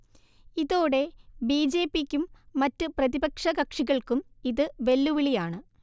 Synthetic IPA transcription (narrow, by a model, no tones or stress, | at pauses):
iðo̞ːɽe̞biːd͡ʑe̞ːpːikʲːumːɐtːɨprɐðibɐkʂɐkɐkʂiɣɐɭkumiðɨʋe̞lːuʋiɭijaːɳɨ